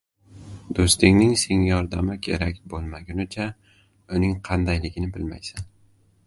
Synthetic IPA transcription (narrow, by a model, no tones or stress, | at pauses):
d̪̥ost̪ɪŋnɪŋseŋjɒɾd̪amɪkʲʰe̞̰ɾakʲbolˠmaɡʲanʊt͡ʃʰa | ʊnɪŋqʰɑnd̪ajlɪɡʲɪnɪbɪlma̰jsan